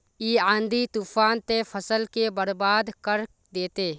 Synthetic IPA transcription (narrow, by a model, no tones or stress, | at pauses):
iːãːnd̪it̪uːfaːnt̪efʰəsəlkebəɾbaːd̪kəɾ | d̪eːt̪eː